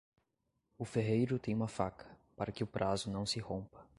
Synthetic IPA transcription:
ʊfeɦejɾʊt̪ẽj̃ũmɐfakʰɐ̥paɾɐkɪʊpɾʔazʊnɐ̃w̃sɪhõpɐ̥

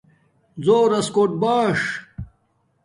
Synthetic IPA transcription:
zoːɾɐskoʈ̚baːʂ

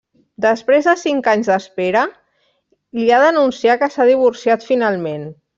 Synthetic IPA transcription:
d̪əspɾezðəsiŋkaɲzd̪əspeɾə | liaðənunsiakəsað̞iβ̞uɾsiat̪finalˠmen

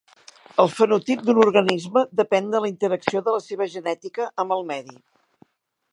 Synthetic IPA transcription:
əlˠfənut̪ip̚d̪unurɣənizməd̪əpɛnd̪ələint̪əɾəksioðələseβ̞əʒənɛt̪ikəʔəməlˠmɛði

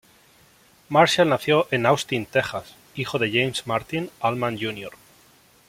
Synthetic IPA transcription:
maɾʃjalnaθjoʔenawst̪int̪exas | ixoðe̞ʝejmsmaɾt̪inalmãnd͡ʒunjo̰ɾ

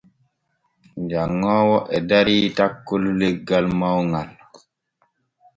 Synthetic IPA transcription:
d͡ʒaŋːɔːwɔʔɛdaɾiːtakːoluleɡːalmawŋal

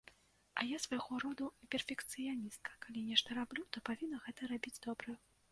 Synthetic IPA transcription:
ɐ̰jasvajɣɔɾɔd̪upʲɛrfʲɛkt̪sɨjanʲist̪̚kʰɐ̥kalʲinʲɛʂt̪ɐɾablʲut̪ɔpavʲinːɐɣɛt̪ɐɾabʲid͡zʲd̪ɔbɾɨ

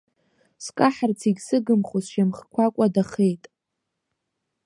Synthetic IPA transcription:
skʼaħart͡sʰiɡʲsɨɡɨmχozʃamχkʷʰakʷʼadaχejtʼ

